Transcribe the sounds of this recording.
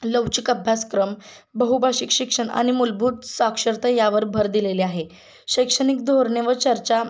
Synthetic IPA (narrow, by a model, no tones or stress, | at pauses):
ləwt͡ɕikəbʱjaskɾəm | bəɦubʱaɕikɕikʂəɳa̰ɽ̃imulbʱuːt̪sakʂəɾt̪əjaʋəɾbʱəɾd̪ileleaɦe | ɕəjkʂəñik̚d̪ʱoɾɳeʋət͡ɕəɾt͡ɕa